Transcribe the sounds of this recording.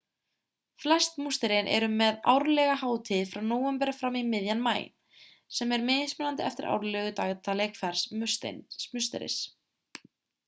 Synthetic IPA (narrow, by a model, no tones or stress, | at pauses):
flɛst̪must̪ɛɾenʔɛ̰ɾʏmɛða̰wɾlɛɣahaːwt̪ʰɪðfɾawnoːwɛmpɛɾafɾawmimɪðjanmaːjɪ̰n | sɛmɛɾmɪːðɪsmʏnant̪ɪɛ̰ft̪ɪɾʔa̰wɾlɛɣʏt̪aːɣt̪ʰalekfɛɾ̥smʏst̪ḛnsmʏst̪ɛ̰ɾɪ̰s